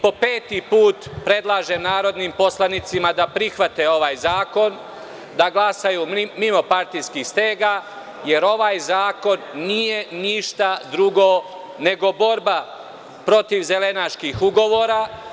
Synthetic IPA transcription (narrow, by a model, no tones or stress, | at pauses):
po̞peːt̪ipuːt̪pɾe̞d̪lˠaːʒemnaːɾo̞d̪nimpo̞slˠanit̪simad̪apɾixʋat̪eo̞ʋaːjzaːko̞n | d̪aɡlˠasajumimo̞paɾt̪ijskixst̪eːɡa | je̞ɾo̞ʋaːjzaːko̞nːije̞niʃt̪ad̪ɾuɡo | ne̞ɡo̞bo̞ɾba | pɾo̞t̪iʋze̞le̞naʃkixuɡo̞ʋo̞ːɾa